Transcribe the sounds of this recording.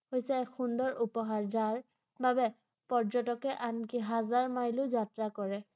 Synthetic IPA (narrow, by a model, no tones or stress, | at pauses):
hojsɛxundɔɹʔupɔɦaɹzaɹ | babɛ | pɔɹd͡ʒɔtɔkɛʔankiɦazaɹmajlʊzatɹakɔɹɛ